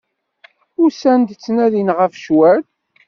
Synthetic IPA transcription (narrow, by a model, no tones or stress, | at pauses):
ʊɾsænd̪t͡sːnæðinʁəfʃwæɾ